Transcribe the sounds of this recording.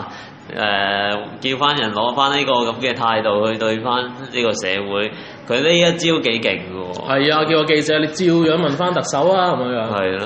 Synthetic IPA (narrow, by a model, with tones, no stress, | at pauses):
ʔɛː˨kiː˧wfaː˥njɐ˨˩nlɔː˨˥faː˥nliː˥kɔː˧kɐ˨˥mkɛː˧t̪ʰaː˧jt̪o˨whɵ˧ɥt̪ɵ˧ɥfaː˥nniː˥kɔː˧sɛ̰ː˨˧wuː˨˥j | kʰɵ˨˧ɥle˥jjɐ˥t̚t͡siː˥t̪o˥wke˨˥jkɪ˨˩ŋkə˧wɔ̰ː˨˧hɐ˨jaː˧ki˧wɔ˨˧ke˧jt͡sɛː˨˧˥le˨˧jt͡siː˧wjœː˨˥ŋmɐ˨nfaː˥nt̪ɐ˨k̚sɐ˨˥waː˥kɐ˨˦mː˧˥ŋjœː˨˥ŋhɐ˨j